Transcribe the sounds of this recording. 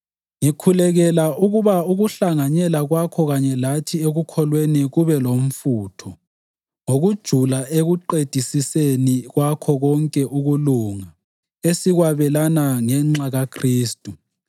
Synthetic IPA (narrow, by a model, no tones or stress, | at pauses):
ŋikʰulɛɣɛlauɣuβauɣuɬaŋaɲɛlaɣwakʰɔɣaɲɛlatʰieɣukʰɔlweniɣuβɛlom̩fuːtʰɔ | ŋoɣud̥ʒ̥ʱulaeɣuǃed̥ʱisiseniɣwakʰɔɣɔŋkʼɛʔuɣuluŋa | esiɣwaβɛlanaŋɛŋ͡ǁaɣakʰriːstʼu